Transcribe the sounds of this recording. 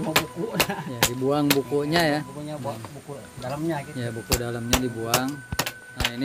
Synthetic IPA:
mabukujadibuaŋbukuʔɲajabukuɲabuabuku | dalamɲakjabukudalamɲadibuaŋ | aini

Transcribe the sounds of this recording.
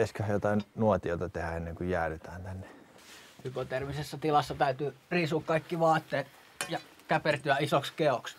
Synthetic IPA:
eskøhjot̪ɑinnuot̪iot̪ɑt̪ehæenːeŋkujjæːdet̪æːnt̪ænːe̥ | ykot̪ermisesːɑt̪ilɑsːɑt̪æyt̪yːriːsuːkkɑikːiʋɑːt̪ːeːt̪ | jɑ | kæpert̪yæisokskeoks

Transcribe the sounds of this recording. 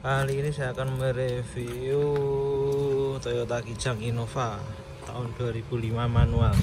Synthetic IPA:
kaliːnisajakanməɾefiu | t̪ojot̪aki̥d͡ʒ̥aŋinofa | t̪aʊnd̪̥uaɾib̥ulimamanual

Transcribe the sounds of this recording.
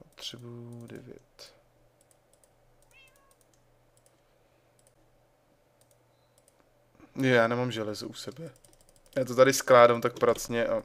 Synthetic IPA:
pot̪r̝̥ɛbujdɛ̰vjɛ̰t̪ | ɛjaːnɛmamʒɛlɛzoʔusɛbɛ | jaːt̪ot̪adɪsklaːdamt̪akpɾat͡sɲɛʔa

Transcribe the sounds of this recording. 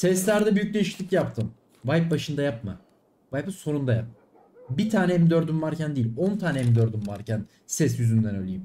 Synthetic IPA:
sɛslʲæɾd̪ɛbyjyc̚d̪ʲeʃʃlʲicjapt̪ʰɯm | vajp̚baʃɯnd̪ajapma̰ | vajpɯso̞ɾund̪ajap̚ma | bit̪ʰaːnɛɛmd̪ø̞ɾd̪ymvaɾcʰænd̪iːilʲo̞nt̪ʰaːnɛɛmd̪øɾd̪ymvaɾcʰæn | sɛs̬jyzynd̪ænølʲejim

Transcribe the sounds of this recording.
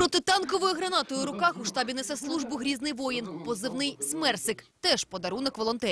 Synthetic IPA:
pɾɔt̪ɪt̪ɑnkɔʋɔjʊɦɾɐnɑt̪ɔjʊɾʊkɑxʊʃt̪ɑbʲinɛsɛslˠuʒbʊɦɾʲiznɪjʋɔjɪnpɔzɪwnɪjsmɛrsɪkt̪ɛʒpɔd̪ɐɾunɐkʋɔlˠɔnt̪ɛɾʲ

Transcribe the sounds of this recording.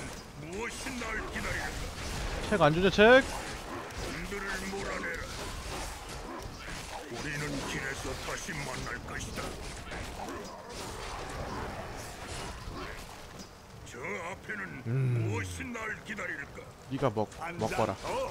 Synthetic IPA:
n | muʌɕʰinːaɭkidaɾiɯɭk͈at͡ɕʰeɡand͡ʑod͡ʑet͡ɕʰek̚ | undɯɾɯɭmoɾaneɾa | uɾinɯnt͡ɕinesʰʌpaɕʰimːanːaɭk͈ʌɕʰida | t͡ɕʌapʰe̞nɯnmuʌɕʰinːaɭkidaɾiɯɭk͈a | niɡamʌkmʌkp͈ʌɾa̰

